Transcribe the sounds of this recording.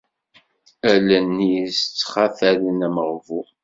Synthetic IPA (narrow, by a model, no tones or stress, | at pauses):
ælænːisət͡sːχaθælənæməʁvu